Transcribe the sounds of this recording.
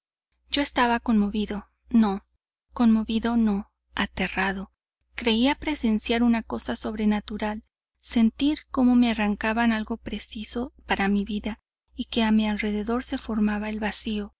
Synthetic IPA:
d͡ʒo̞e̞st̪aβako̞nmo̞βiðo̞ | no̞ | ko̞nmo̞βiðo̞no̞ | at̪e̞raðo̞ | kɾe̞iapɾe̞se̞nsjaɾunako̞saso̞βɾe̞nat̪uɾal | se̞nt̪iɾko̞mo̞me̞araŋkaβanalɣo̞pɾe̞siso̞paɾamiβiða | ike̞amialre̞ðe̞ðo̞ɾse̞fo̞ɾmaβae̞lβasio̞

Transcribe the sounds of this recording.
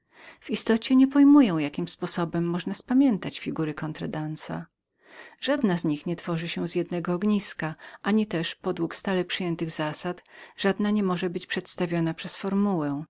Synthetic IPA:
vist̪ɔt͡ɕɛɲɛpɔjmujɛ̃w̃jakʲimspɔsɔbɛmːɔʐnaspamʲjɛnt̪at͡ɕfʲiɡuɾɘkɔnt̪ɾɛd̪ansa̰ | ʐ̥ad̪nazɲixɲɛt̪fɔʐɘɕɛzjɛd̪nɛɡɔːɡɲiskaʔaɲit̪ɛʂpɔd̪wukst̪alɛpʂɘjɛnt̪ɘɣzasat̪ʐ̥ad̪naɲɛmɔʐɛbɘt͡ɕpʂɛt̪st̪avʲjɔnapʂɛsfɔɾmuwɛ

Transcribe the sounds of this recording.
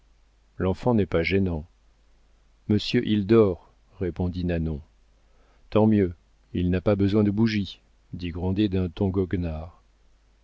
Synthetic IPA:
lɑ̃fɑ̃nɛpaʒɛnɑ̃ | məsjøʔild̪ɔʁː | epɔ̃d̪inanɔ̃ | t̪ɑ̃mjø | ilnapabəzwɛ̃d̪əbuʒi | d̪iɡʁɑ̃d̪ed̪ɛ̃t̪ɔ̃ɡɔɡnaʁ

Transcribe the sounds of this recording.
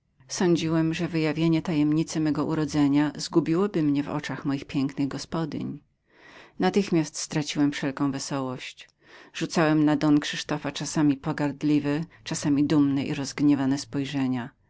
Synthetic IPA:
sɔɲd͡ʑiwɛmʐɛvɘjavʲjeɲɛt̪ajɛmɲit̪sɘmɛɡɔʔuɾɔd̪zɛɲazɡubʲiwɔbɘmɲɛvɔ̰t͡ʂaxmɔjixpʲjɛŋknɘɣɡɔspɔd̪ʲḭɲ | nat̪ɘxmʲast̪st̪ɾat͡ɕiwɛmfʂɛlkɔ̃w̃vɛsɔwɔɕt͡ɕ | ʐ̥ut̪sawɛmnad̪ɔnkʂɘʂt̪ɔfat͡ʂasamʲipɔɡaɾd̪lʲivɛt͡ʂasamʲid̪umnɛʔḭɾɔzɡɲɛvanɛspɔjʐɛɲa

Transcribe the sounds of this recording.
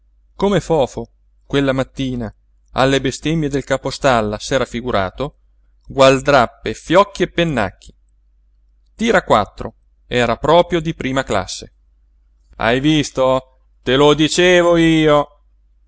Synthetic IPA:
komefɔːfo | kwelːamat̪ːiːna | a̰lːebest̪emːjed̪elkapost̪alːasɛːɾafiɡuɾa̰ːt̪o | ɡwald̪ɾapːefjɔkːiepːenːa̰k̟ːi̥ | t̪iːɾakwa̰t̪ːɾo̰ | ɛːɾapɾɔːpɾjod̪ipɾiːmakla̰sːe | a̰jvist̪o | t̪elod̪it͡ʃeːvoiːo

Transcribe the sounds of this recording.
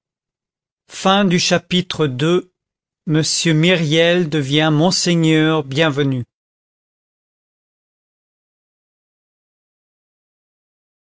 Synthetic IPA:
fɛ̃d̪yʃapit̪χəd̪ø | məsjømiʁjɛld̪əvjɛ̃mɔ̃seɲœʁbjɛ̃vəny

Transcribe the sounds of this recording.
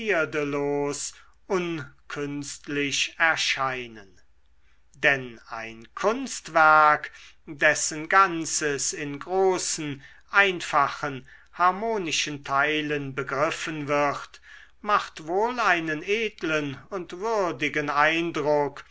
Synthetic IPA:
iɐdəloːs | ʔʊnkʰʏnstlɪʃɛɐʃaɪnən | dɛna̰ɪnkʰʊnstv̥æɐk | d̥ɛsənɡant͡səsɪnɡʁoːsn̩ | ʔaɪnfaχən | haɐmoːnɪʃəntʰaɪlənbəɡʁɪfənvɪχt | maχtvoːlaɪnəneːtlənʊntv̥ʏɐdɪɡənaɪndʁʊk

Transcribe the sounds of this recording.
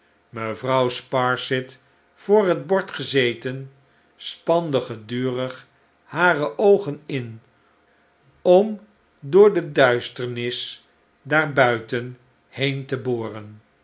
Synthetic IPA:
məvrɑwspɑɹsɪt | fʊːrɦəd̚bɔɹtχəzejtən | spɑndəχədyːrəχ | haːrəʔowχənɪn | ɔm | dʊːɹdədœɥstəɹnɪs | daːɹbœɥtən | hejntəboːrən

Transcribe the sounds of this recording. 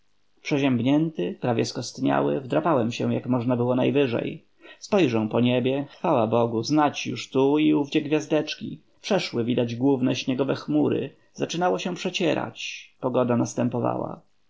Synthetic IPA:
pʂɛʑɛmbɲɛnt̪ɘpɾavʲjɛskɔst̪ɲa̰wɘ̰vd̪ɾapawɛmɕɛ̃jakmɔʐnabɘwɔnajvɘʐɛ̰j | spɔjʐɛ̃w̃pɔɲebʲjɛxfawabɔɡuznat͡ɕjṵʂt̪uiuvd͡ʑɛɡvʲjazd̪ɛt͡ʂkʲḭ | pʂɛʂwɘvʲid̪ad͡ʑɡwuvnɛɕɲɛɡɔvɛxmuɾɘ̰ | zat͡ʂɘnawɔɕɛ̃pʂɛt͡ɕɛɾa̰t͡ɕpɔɡɔd̪anast̪ɛmpɔva̰wa̰

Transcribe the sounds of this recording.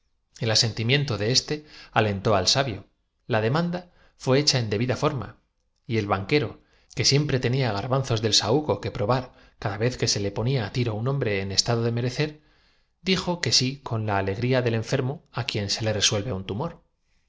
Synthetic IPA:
e̞lase̞nt̪imjẽ̞nt̪o̞ðeest̪e̞ale̞nt̪o̞alsaβjo̞ | lað̞e̞mãnd̪a | fwe̞et͡ʃae̞nd̪e̞βiðafo̞ɾma̰ | ie̞lβaŋke̞ɾo̞ | ke̞sje̞mpɾe̞t̪e̞niaɣ̞aɾβanθo̞zðe̞lsauɣo̞ke̞pɾo̞βaɾ | kaðaβe̞θke̞se̞le̞po̞niaːt̪iɾounombɾe̞ːne̞st̪aðoðe̞me̞ɾe̞θe̞ɾ | d̪ixo̞ke̞sikʰo̞nlaːle̞ɣɾiaðe̞lẽ̞ɱfe̞ɾmo̞akje̞nse̞le̞re̞swe̞lβe̞unt̪umo̞ɾ

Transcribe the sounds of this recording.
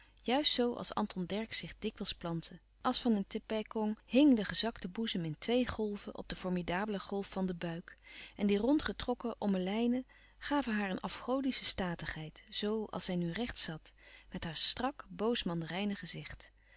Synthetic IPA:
jœɥstsowɑ̰lˠsɑ̰ntɔndɛɹksɪχdɪkʋəlˠsplɑntʰə | ʔɑlˠsfɑnəntɪpɛjkɔŋɦɪŋdəχəzɑktəbuzəmɪntʋejχɔlˠvəʔɔ̰b̚dəfɔɹmidaːbələχɔlˠfːɑndəbœɥkɛndirɔntχətrɔkəʔɔməlɛjnə | χaːvəɦaːɹənʔɑfχowdisəstaːtəχɦɛjtz̥owɑ̰lˠsɛjnyrɛχtsɑtmɛtɦaːɹstrɑkbowsmɑndərɛjnəχəzɪχt

